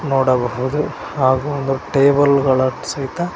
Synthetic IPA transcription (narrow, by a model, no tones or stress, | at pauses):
noːɽɐbɐɦud̪u | haːɡuond̪uʈeːbɐlɡɐɭɐsɐɦit̪ɐ